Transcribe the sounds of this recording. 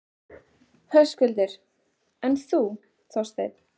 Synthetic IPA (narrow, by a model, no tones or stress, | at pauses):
hœskʏlt̪ɪɾ̥ | ɛnθu | θɔst̪ḛjð